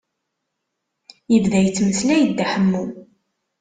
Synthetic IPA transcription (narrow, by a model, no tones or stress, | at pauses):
jəvðæjt͡sːməθlæjəd̪ːaħəmːu